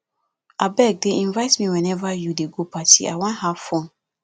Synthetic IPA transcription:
ʔabɛɡ̚deĩnvaɪtmĩwɛ̃nɛvajudeɡopatḭa̰wãnhavfõn

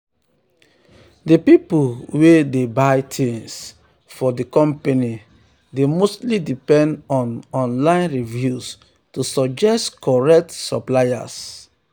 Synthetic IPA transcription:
dipipulwedebaɪtʰẽns | fɔdikɔ̃mpeni | demostlidipɛ̃ndɔ̃nɔ̃nlãɪ̃nɹivjus | tusɔd͡ʒɛstkɔɹɛk̚tsɔplaja̰s

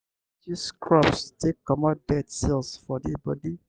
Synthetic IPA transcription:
tuskʰɹɔpstʰekːɔmɔdɛtsilsfɔdibɔdi

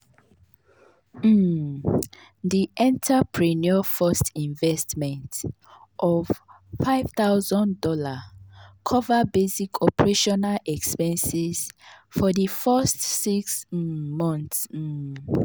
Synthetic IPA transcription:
diʔɛ̃ntʰapʰɹiniɔfɔstĩnvɛstmɛ̃nt | ʔɔv | faɪv̥tawzɔ̃ndɔlakʰɔvabesikʰɔpəɹeʃɔnalɛkspɛ̃nsiz̥fɔdifɛstːiksmɔ̃nθs̩

